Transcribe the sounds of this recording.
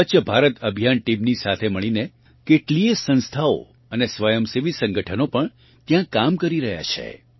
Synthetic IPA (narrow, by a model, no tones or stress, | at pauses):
ət͡ʃəbʱaɾət̪əbʱjanʈimnisat̪ʰeməɭine | keʈliesə̃nst̪ʰao̰ | ənesʋəjəmseʋisə̃ŋɡəʈʰənopəɳ | t̪jãkamkəɾiɾəɦja̰t͡ʃʰḛ